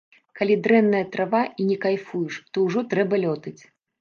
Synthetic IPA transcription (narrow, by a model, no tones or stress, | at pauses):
kalʲid̪ɾɛnːɐjɐt̪ɾavainʲɛkajfujuʂt̪ɔwʐɔt̪ɾɛbɐlʲɔt̪ɨt͡sʲ